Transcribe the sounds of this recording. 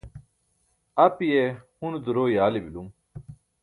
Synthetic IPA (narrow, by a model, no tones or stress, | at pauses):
ɐpijehund̪uɾoːjaːlibilum